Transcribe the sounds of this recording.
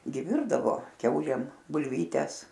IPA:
ɡʲɪ ˈʋʲɪrdɐʋoː ˈkʲɛʊlʲeːm bʊlʲˈʋʲiːtʲɛs

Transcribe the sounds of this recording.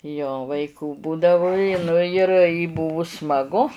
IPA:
joː ʋɐɪˈkuː ˈbuːdɐʋʊ ɪ ˈnʊ ɪr ɪ ˈbʊʋʊ smɐˈɡʊ

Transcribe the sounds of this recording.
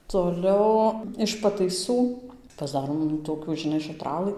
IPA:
toːˈlʲɛʊ ɪʃ pɐtɐɪˈsuː pɐzˈdɑːroːm nʊ toːˈkʲuː ʒʲɪˈnɐɪ ʃɐˈtrɑːlˠɨ

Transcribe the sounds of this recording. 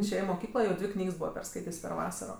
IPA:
ɪʃʲˈeːjɛ ɪ moːˈkʲiːklˠoː jɛʊ ˈdʲʋʲɪ ˈknʲiːks ˈbuːʋɐ pʲɛrˈskɐɪtʲeːsʲ pʲɛr ˈʋɑːsɐroː

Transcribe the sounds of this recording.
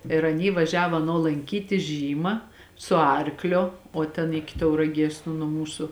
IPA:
ɪr ɐˈnʲiː ʋɐˈʒʲæːʋoː ɐˈnoː lˠɐŋʲˈkʲiːtʲɪ ˈʒʲiːmɐ sʊ ˈɐrkˌlʲoː oː ˈtʲɛn ˈɪkʲɪ tɐʊrɐˈɡʲiɛs nʊ nuɔ ˈmuːsʊ

